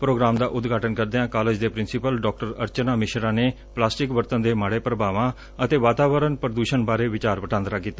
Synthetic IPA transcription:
pɾoːɡɾaːmd̪aːʔʊd̪ɡʱaːʈənkəɾd̪eãːkaːleːd͡ʒd̪eːpɾɪnsɪpəlɖɔːk̚ʈəɾəɾt͡ʃənaːmɪʃɾãːneː | plaːsʈɪkʋəɾt̪ənd̪eːmaːɽeːpɾəbaːʋãː | ət̪eːʋaːt̪aːʋəɾənpɾəd̪uːʃənbaːɾeːʋɪt͡ʃaːɾbəʈãːnd̪ɾaːkiːt̪ːaː

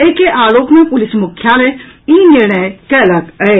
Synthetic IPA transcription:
eːkeʔaːloːkmẽpʊlɪsmʊkʰːjale | iːnɪɾɳ̃əjkɛːlɐkəɦeː

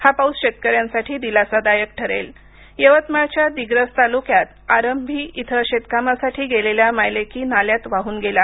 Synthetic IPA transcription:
hapawsɕet̪̚kəɾjansaʈʰiːd̪ilat͡sad̪ajək̚ʈʰəɾḛl | jəʋət̪maɭt͡ɕjad̪iɡɾəst̪alukjat̪aɾəmbʱiːʔit̪ʰəɕet̪kamasaʈʰiːɡeleljamajlekiːnaljat̪ʋaɦuːnɡela

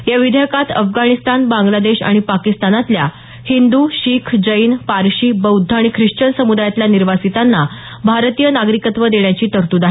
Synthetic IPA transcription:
jaʋid̪ʱjəkat̪ə̰fɡaɽ̃ist̪anbãŋɡlad̪eɕa̰ɽ̃ipakist̪anat̪lja | hind̪uɕiːkʰd͡ʑəinpaɾɕiːbəwd̪ʱːaaɽ̃ikʰɾiʂt͡ɕəɳsəmud̪ajat̪ljaniɾʋasit̪anːa | bʱaɾt̪ijənaɡɾikət̪ʋəd̪eɳjat͡ɕiːt̪əɾt̪uːd̪aɦ

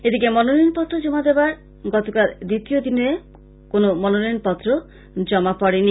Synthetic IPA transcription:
ed̪ikemɔnoninpɔt̪ːɾod͡ʒɔmad̪ebaɾ | ɡɔt̪okald̪it̪iod̪inee | konomɔnoninpɔt̪ːɾo | d͡ʒɔmapɔɽini

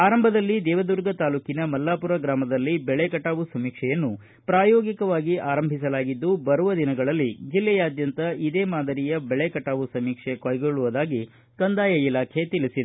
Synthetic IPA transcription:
aːɾɐmbʱɐd̪ɐlːid̪ɛːʋɐd̪uɾɡɐt̪aːluːkinɐmɐlːaːpuɾɐɡɾaːmɐd̪ɐlːibɛɭekɐʈaːʋusɐmiːkʂɛjɐnːu | pɾaːjoːɡikɐʋaːɡiʔaːɾɐmbʱisɐlaːɡid̪ːubɐɾuʋɐd̪inɐɡɐɭɐlːid͡ʒilːɛjaːd̪jɐnt̪ɐid̪eːmaːd̪ɐɾijɐbɛɭekɐʈaːʋusɐmiːkʂekɐːjɡoɭːuʋɐd̪aːɡi | kɐnd̪aːjɐilaːkʰe̞t̪ilisid̪e

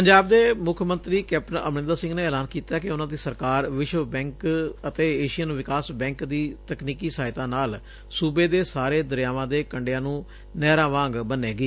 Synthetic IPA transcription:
pəɲd͡ʒaːb̚d̪eːmʊkʰmənt̪ɾiːkɛːp̚ʈənəmnɪ̃nd̪aːsɪ̃ŋɡneːeːlaːnkiːt̪aːkɪʊnãːd̪iːsəɾkaːɾʋɪʃʋbɛ̃ːŋkət̪eːeːʃɪjənʋɪkaːsbɛ̃ːŋkd̪iːt̪əkniːkiːsaːɪt̪ãːnaːl | suːbeːd̪eːsaːɾeːd̪əɾjaːʋãːd̪eːkəɳɖejãːnũː | nɛːɾãːʋãːŋɡbənːeːɡiː

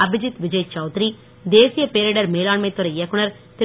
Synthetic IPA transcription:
ɐbɪd͡ʒɪt̪ʋɪd͡ʒɐjt͡ʃɐʊt̪ɾi | d̪eːsɪjɐpeːɾeːɽɐɾmeːlaːɳmɐɪt̪ːɔɾɐɪjɐkːʊɳɐɾ | t̪ɪ

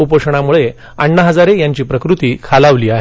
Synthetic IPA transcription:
upəʂɳ̃amuɭe | əɳːəɦəd͡zaɾejaɲt͡ɕiːpɾəkɾut̪iːkʰalaʋliːaɦe

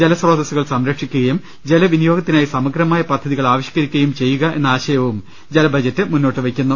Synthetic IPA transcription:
d͡ʑelɐsro̞ːd̪ɐsuɣɐɭsɐmɾɐkʂikʲːuɣɐjum | d͡ʑe̞lɐʋinijo̞ːɡɐt̪ːinaːjisɐmɐɡɾɐmaːjɐpɐd̪ʱːɐðiɣɐɭaːʋɐɕji̥kːɐɾikʲːuɐjumt͡ɕe̞jːuɣɐʔe̞̰nːaːɕɐjɐʋum | d͡ʑelɐbʱɐd͡ʑɐtːɨmunːo̞ːʈːɨʋekʲːunːɐ

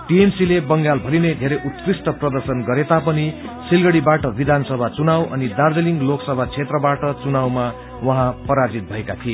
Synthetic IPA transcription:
ʈiemsilebʌŋɡalbʱʌlined̪ʱeɾʌjʔut̪krisʈʌprʌd̪ʌrsʌnɡʌɾet̪apʌni | silɡʌɽibaʈʌbid̪ʱansʌbʱat͡sunawʌ̰nid̪ard͡zeliŋɡloksʌbʱat͡sʰet̪rʌbaʈʌt͡sunawma | wʌɦãpʌɾad͡zit̪̚bʱʌekat̪ʰie

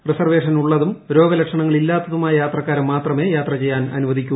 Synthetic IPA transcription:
risɐrʋe̞ːʂɐnuɭːɐðumɾo̞ːɡɐlɐkʂɐɳɐŋːɐɭilːaːt̪ːɐðumaːjɐjaːt̪rɐkːaːɾɐmːaːt̪rɐme̞ːjaːt̪rɐt͡ɕe̞jːaːnɐ̰nuʋɐd̪ikʲːu

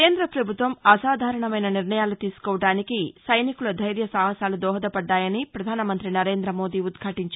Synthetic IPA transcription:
eːnd̪ɾɐpɾɐbʱut̪ʋɐmɐsaːd̪ʱaːɾɐɳɐmɐjnɐniɾɳɐjaːlut̪iːsu̥kɔːʋɐɽaːnikisɐjnikulɐd̪ʱɐjɾjɐsaːɦɐsaːlud̪ɔːɦɐd̪ɐpɐɖːaːjɐnipɾɐd̪ʱaːnɐmɐnt̪ɾinɐɾe̞ːnd̪ɾɐmoːd̪iːud̪ɡʰʱaːʈiɲt͡ʃ

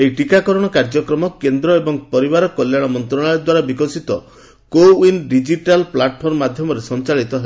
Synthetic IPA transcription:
ejʈikakɔɾɔɽ̃ɔkaɾd͡ʒɔkɾɔmɔkend̪ɾɔebɔŋpɔɾibaɾɔkɔljaɽ̃ɔmɔnt̪ɾɔɽ̃ajɔd̪waɾabikɔsit̪ɔ | koinɖid͡ʒiʈalplaʈpʰɔɾmmad̪ʱjɔmɔɾesɔnt͡ʃaɭit̪ɔɦel

